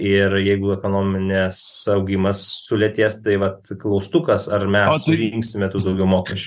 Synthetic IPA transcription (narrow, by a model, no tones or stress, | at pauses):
ɪɾjɛɪɡʊɛkoːnoːmʲɪnʲɛsɐʊɡʲimɐssʊlʲɛt̪ʲeːst̪ɐɪʋɐt̪klˠɐʊst̪ʊkɐsɐrmʲɛssʊɾʲiŋksʲɪmʲɛt̪uːd̪ɐʊɡʲɛʊmoːkʲɛʃʲt͡ʃʲu